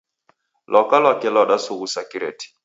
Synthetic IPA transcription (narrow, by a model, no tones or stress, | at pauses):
lʔɔkalwakɛlɔɗasuɣusakiɾɛ̰ti̥